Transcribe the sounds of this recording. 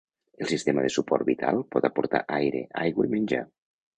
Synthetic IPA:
elˠsist̪emaðesupɔɾt̪̚bit̪ʰa̰lˠpɔt̪apoɾt̪aʔajɾeʔajɣwaimenʲd͡ʒa̰

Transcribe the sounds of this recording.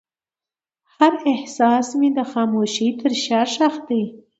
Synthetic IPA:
haɾɪhsɑsmid̪əxɑmoʃit̪ʰəɾʃɑɾʃaxt̪̚d̪aj

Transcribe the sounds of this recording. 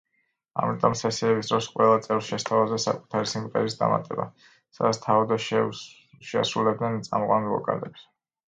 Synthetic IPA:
a̰mit̪ʼɔmsɛsiɛbisd̪ɾɔsqʼwɛlˠat̪sʼɛvsʃɛst̪ʰavazɛsa̰kʼu̥t̪ʰaɾisimʼt̪ʼɛɾisd̪a̰ma̰t̪ʼɛba̰ | sad̪at̪st̪ʰaɔd̪aʃ | ʃɛa̰sɾulɛb̚d̪nɛnt̪sʼamqʼwanlɔ̰kʼa̰lɛps

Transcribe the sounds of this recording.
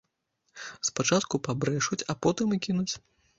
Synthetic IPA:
spat͡ʂat̪kupabɾɛʂut͡sʲapɔt̪ɨmɨkʲinut͡sʲ

